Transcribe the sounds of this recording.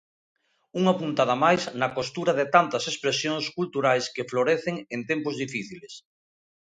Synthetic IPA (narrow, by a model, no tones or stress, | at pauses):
uŋapunt̪aðɐmajznɐkost̪uɾɐðɪt̪ant̪ɐsespɾesjoŋskult̪uɾajskefloɾɛθeŋent̪ɛmpozðifiθiles